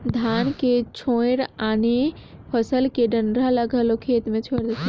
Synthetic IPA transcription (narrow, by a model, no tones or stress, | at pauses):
d̪ʱanket͡ʃʰojɾanepʰəsəlkeɖənɖɾaləɡʱəlokʰet̪mẽt͡ʃʰojɾd͡ʒet̪ʰ